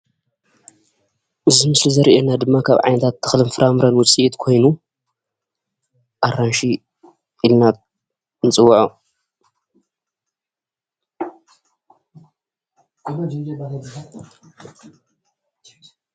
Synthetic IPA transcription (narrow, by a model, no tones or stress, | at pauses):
ʔɨzɨmɨslizɐɾiʔenad̪ɨmːakʰa̰βʕa̰jnɐt̪ʰat̪ʰːɨ̥xlɨnfɨɾʔamɾɐnwʊt͡sʼiʔit̪kʰo̞jnu | ʔaranʃi | ilna | nɨt͡sʼɨwːaʕu